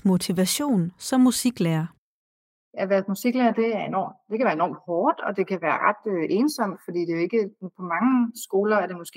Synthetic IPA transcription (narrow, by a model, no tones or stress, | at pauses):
mo̝t͡sʰiʋæɕo̝̰ːnsɒ̽mːusiɡ̥læːɐ | jæʋæɐsmusiɡ̥leːɐd̥e̝æɐe̝nɒ̰ːmd̥e̝kʰæʋæːɐenɒ̰ːmd̥hɒːd̥ɒ̽d̥e̝kʰæʋæːɐʁɑd̥øʔe̝ːnsɒ̽m̰d̥fɒ̽d̥ḭːd̥e̝oe̝ɡ̥əpʰɒ̽mɑ̈ŋəsɡ̥o̝ːlɐæɐɾ̥e̝mɔ̽sɡ̥e